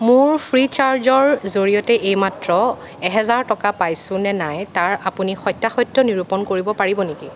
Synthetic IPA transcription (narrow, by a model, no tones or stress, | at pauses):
mʊɹpʰɹit͡ʃaɹzɔɹzoɹijɔtɛʔejmatɹɔ | ɛɦɛzaɹtɔkapajsʊ̃nɛnajtaɹapunixɔjtːaxɔjtːɔniɹupɔnkoɹibɔpaɹibɔniki